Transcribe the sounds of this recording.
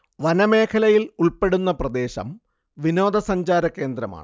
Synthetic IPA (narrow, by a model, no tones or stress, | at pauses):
ʋɐnɐme̞ːkʰɐlɐjiluɭpe̞ɽunːɐprɐd̪e̞ːɕɐ̰m | ʋino̞ːd̪ɐsɐɲd͡ʑaːɾɐkːe̞ːnd̪ɾɐma̰ːɳɨ